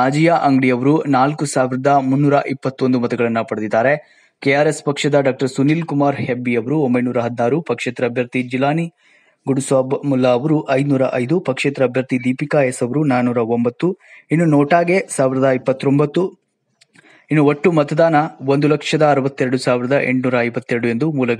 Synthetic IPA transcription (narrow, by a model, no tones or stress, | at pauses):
naːd͡ʒijaʔɐŋɡɽijɐʋɐɾunaːlkusaːʋiɾɐd̪ɐmunːuːɾɐʔipːɐt̪ːo̞nd̪umɐt̪ɛɡɐɭɐnːɐpɐɽɐd̪id̪ːaːɾe̞ | kejaːɾespɐkʂɐd̪ɐɖaːk̚ʈɐɾsuniːlkumaːɾhebːijɐʋɐɾuombɐjnuːɾɐɦɐd̪inaːɾupɐkʂeːt̪ɾɐɐbʱjɐɾt̪id͡ʒilaːni | ɡuɽusʋaːbmulːaːʋɐɾuʔɐjd̪nuːɾɐʔɐjd̪upɐkʂeːt̪ɾɐːbʱjɐɾt̪id̪iːpikaːjesɐʋɐɾunaːnuːɾɐombɐt̪ːuinːunɔːʈaːɡe̞saːʋiɾɐd̪ɐipːɐt̪ːo̞mbɐt̪ːu | inːuoʈːumɐt̪ɐd̪aːnɐʋond̪ulɐkʂɐd̪ɐːɾɐʋɐt̪ːeɾɐɽusaːʋiɾɐd̪ɐʔeɳʈnuːɾɐɐjʋɐt̪ːeɾɐɽue̞nd̪umuːlɐɡɐ